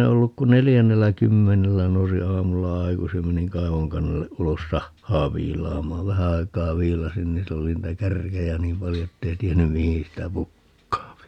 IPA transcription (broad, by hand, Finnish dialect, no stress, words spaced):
e olːuk ku nelijænːelːæ kymːenelːæ nousi ɑːmulːɑ ɑikusij jɑ meniŋ kɑiʋoŋkɑnːelːe ʔulos sɑhːɑː ʋiːlɑːmɑːʋ ʋæhæ ɑi̯kˑɑː ʋiːlɑsin ni sil oli niːtæ kærkejæ niːm pɑljo etːei tienːy mihĩː sitæ pukːɑːpi